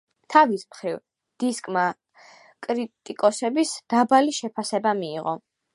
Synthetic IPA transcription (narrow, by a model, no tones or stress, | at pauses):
t̪ʰavismχɾiv | d̪̥iskʼma | kʼɾit̪ʼikʼɔsɛbisd̪̥abaliʃɛpʰasɛbamiːʁɔ